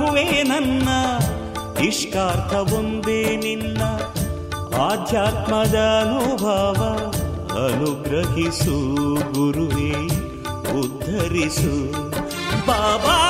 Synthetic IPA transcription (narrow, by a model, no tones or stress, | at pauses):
uʋeːnɐnːɐ | iʂkaːɾt̪ʰɐʋond̪eːninːɐ | aːd̪ʱjaːt̪mɐd̪ɐːnubʱɐːʋɐɐ̰nuɡɾɐɦisuɡuɾuʋeːji | ud̪ʱːɐɾisu | baːʋa